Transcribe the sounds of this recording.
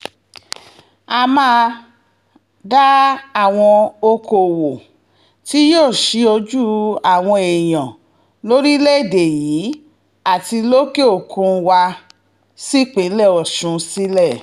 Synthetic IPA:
a˧mãː˦˧ | da˦a˦˨w̃ɔ̃˧o˧ko˨wo˨ | ti˦joː˦˨ʃi˧˦o˧d͡ʒu˦a˦˨w̃ɔ̃˧e˨j̃ɔ̃˨ | lo˦ɾi˦le˦˨de˨jiː˨˦ | a˦˨ti˧lo˦ke˦o˦˨kʰũ˧wa˧ | si˦k͡pe˨˦lɛ˦˨ɔ˨ʃũ˧˦si˦lɛ˦˨

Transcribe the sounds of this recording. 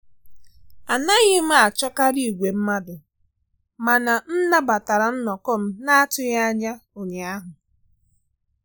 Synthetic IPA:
a˨na˦ɣɪ˦m̩˦a˨t͡ʃɔ˦ka˦ɾi˦˨ɡʷe˨m̩˦ma˦dʊ˨ | ma˨na˨n̩˦na˦ba˨ta˨ɾa˨n̩˦nɔ˨kɔ˦m̩˦na˦a˦tʊ˦ɣa˦a˦ɲa˦o˨ɲe˨a˦ɦʊ˨

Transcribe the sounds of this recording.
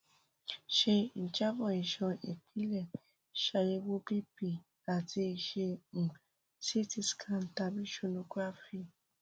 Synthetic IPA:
ʃe˧n̩˨t͡ʃa˦bɔ˨i˨ʃɔ̃˧ḛ˨k͡pʰĩ˦lɛ˦˨ | ʃa˧je˧wo˦bi˦pi˧˨ | a˨ti˧i˧ʃẽ˧˨ | si˦ti˧˨skʰã˦˨n̩˨ta˧bi˦ʃu˦˧nũ˧ku˦a˦fi˧˨

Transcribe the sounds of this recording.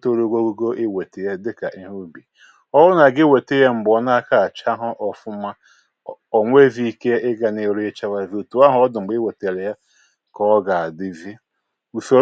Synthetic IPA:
to˦ɾo˦ɡʷo˦ɡu˦ɡo˦ʔɪ˦we˨te˨je˦dɪ˦ka˨ʔi˦ɦu˦bi˨ | ɔ˦ʊ˦na˨ɡɪ˦we˨te˦je˦m̩˨bɔ˦na˦ka˨a˨t͡ʃa˦ɦʊ˦ʔɔ˨fʊ˦ma˦ | ɔ˨ŋʷ˦e˦vi˦i˦ke˦ɪ˦ɡa˨ne˨ɾʊ˦e˦t͡ʃa˦wa˦vi˦u˨tu˨˦a˦ɦʊ˦ɔ˦dʊ˨ŋ͡m̩˨ɡ͡bɪ˦we˨te˨le˨ja˦ | kɔ˦ɡa˨a˨dɪ˦vi˦ | u˨so˨

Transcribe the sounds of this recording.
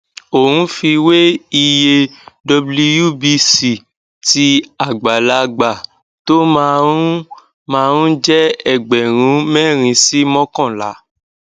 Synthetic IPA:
o˨hũ˨˦fi˧we˦i˧je˧dɔ˧blu˧ju˦˨bi˧si˨ | ti˧a˨ɡ͡ba˨la˧ɡ͡ba˨ | to˦mã˧ũ˦ | mã˧ɾũ˦d͡ʒɛ˦ɛ˦˨ɡ͡bɛ˨ɾ̃ũ˨˦mɛ˦˨ɾ̃ĩ˧si˦mɔ̃˦kɔ̃˦˨la̰˨˦

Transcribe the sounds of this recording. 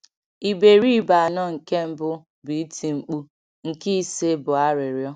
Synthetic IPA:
i˨be˨ɾi˦ba˨nɔ˦ŋ̩˨ke˦m̩˦bʊ˦ | bi˨i˦tʰi˨ŋ͡m̩˨k͡pu˦ | ŋ̩˨ki˦se˦bʊ˨a˦ɾɪ˨ɾjɔ˦

